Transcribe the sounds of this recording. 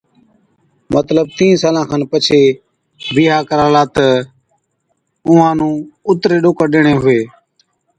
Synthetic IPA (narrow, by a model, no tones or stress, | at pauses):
mət̪ləb̚t̪ĩːsaːlãːkʰãːnpət͡ʃʰeː | biːɦaːkəɾaːlaːt̪ə | ʊːãːnũːʊt̪ɾeːɗoːkəɗeːɳẽːɦʊeː